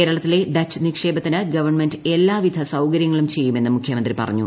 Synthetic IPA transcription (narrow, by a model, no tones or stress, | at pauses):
eːɾɐɭɐt̪ːile̞d̪ɐt͡ɕʰːɨnikʂe̞ːbɐt̪ːinɨɡɐʋɐrɳmendɨelːaːʋid̪ʱɐsɐwkɐɾjɐŋːɐɭumt͡ɕe̞jːume̞nːɨmukʰjɐmɐnd̪ripɐ̰rɐ̰ɲːṵ